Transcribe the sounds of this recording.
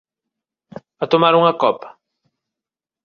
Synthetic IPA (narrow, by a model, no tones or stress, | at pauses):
ɐt̪omaɾuŋɐkɔpɐ̥